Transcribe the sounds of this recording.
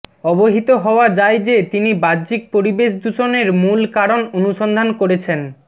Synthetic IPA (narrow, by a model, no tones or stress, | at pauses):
ɔboɦit̪oɦɔoad͡ʑajd͡ʑet̪inibadd͡ʑik̚poɾibeʃ̬d̪uʃoneɾmulkaɾononuʃond̪ʱankoɾet͡ɕʰen